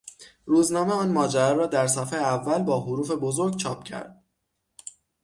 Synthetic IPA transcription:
ruːznɒːme̞ɒːnmɒːd͡ʒæɾɒːɾɒːd̪æɾsæfeːjeævːælbɒːɦoɾuːfe̞bo̞zo̞ɾɡ̚t͡ʃʰɒːp̚cʰæ̰ɾd̪̥̚

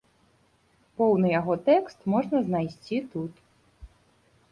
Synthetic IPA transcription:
pɔwnɨjaɣɔt̪ɛkst̪mɔʐnɐznajsʲt͡sʲit̪ut̪

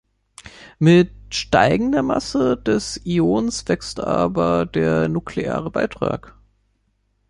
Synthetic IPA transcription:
mɪtʃta̰ɪɡŋ̩dɐma̰səd̥ɛsioːnsv̥ɛkstʔa̰ːbɐdeːɐnuklea̰ːʁəbaɪtʁ̥a̰ːk

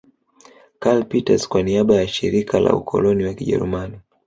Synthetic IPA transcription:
kalpita̰z̥kwaniaɓajaʃiɾikʰala̰ukʰɔ̰lɔniwakiʄɛ̰ɾṵmani

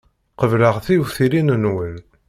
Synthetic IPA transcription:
qəvləʁθiuθilinənwəl

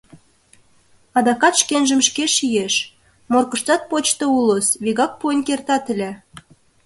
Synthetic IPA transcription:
ɑd̪ɑkɑt̪ʃkenʒə̆mʃkeʃijeʃ | morkə̆ʃt̪ɑt̪̚pot͡ɕt̪ŏulosβiɣɑk̚puenʲkert̪ɑt̪ə̆lʲæ

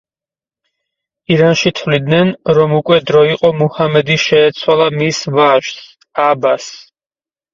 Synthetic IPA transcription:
iɾanʃit̪ʰvlid̪nɛnɾɔmukʼwɛd̪ɾɔiqʼɔmuhamɛd̪iʃɛːt̪sʰwalˠamisvaʒs | abas

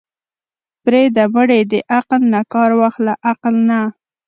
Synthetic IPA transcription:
pɾed̪aməɽed̪əʔaqlnakɑɾwaxlaʔaqlna

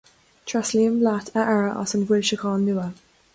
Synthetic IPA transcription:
tʰɹ̥asliə̃mblatʰəʔɛɹəʔɑ̰sə̃nwɪlʃəkʰɑːnːʉə

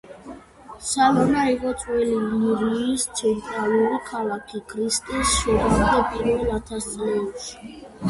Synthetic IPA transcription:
salɔnaiqʼɔt̪sʼwɛlimliɾiːst̪sʰɛnt̪ʼɾalˠuɾikʰalakʰikʰɾist̪ʼɛsʃɔɾisd̪apʼiɾɛlat̪ʰast̪ʼauʃi̥

